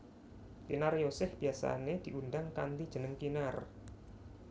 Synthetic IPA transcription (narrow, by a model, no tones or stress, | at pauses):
t̪inarjosɪhb̥iasa̰ned̪̥i̤ʔundaŋka̰nt̪id̥ʒ̥ənəŋkinar